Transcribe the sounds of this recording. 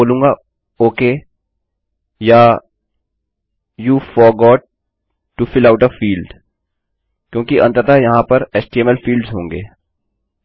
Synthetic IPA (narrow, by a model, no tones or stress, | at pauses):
oːlũːŋɡa | oːkeː | ja | juːfɔɾɡɔːʈ̚ː | ufɪlaːʊʈɔfiːlɖ | kjõːkiʔɐ̰̃nt̪ət̪ajɐɦãpɐɾesʈiɛmɛlfiːlɖzɦõːŋɡeː